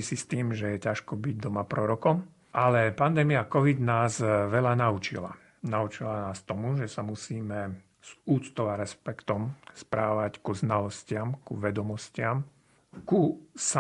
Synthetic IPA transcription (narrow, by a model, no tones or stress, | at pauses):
isist̪iːmʒɛjɛcaʃkɔbiɟd̪ɔmapɾɔɾɔkɔm | ʔalɛpand̪ɛːmiakɔʋid̪naːzʋɛʎanauːt͡ʃḭla̰ | nauːt͡ʃilanaːst̪ɔmuʒɛsamusiːmɛ | z̥uːt͡st̪ɔʋaɾɛspɛkt̪ɔmspɾaːʋackuznalɔscɪamkuʋɛd̪ɔmɔscɪam | kusa